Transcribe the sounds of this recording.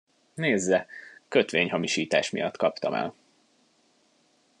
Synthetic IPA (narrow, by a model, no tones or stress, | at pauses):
neːzːɛkøt̪ʋeːɲhɒmiʃiːt̪aːʃmijɒt̪ːkɒpt̪ɒmɛ̰l